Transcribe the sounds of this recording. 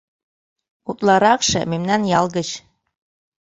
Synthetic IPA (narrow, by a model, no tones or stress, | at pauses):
ut̪lˠɑɾɑkʃɤ̰̆memnænjɑlˠɣə̆t͡ɕ